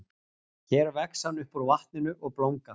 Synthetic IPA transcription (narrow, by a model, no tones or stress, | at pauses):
çɛːɾvɛksanːʏhpɔɾvaht̪nɪnʏʔɔɣplowŋka